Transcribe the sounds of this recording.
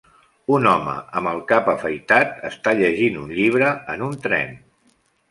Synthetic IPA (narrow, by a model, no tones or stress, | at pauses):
unɔmə̰əməlˠkapəfəjt̪at̪əst̪aʎəʒinunʎiβ̞ɾəənunt̪ɾɛ̰n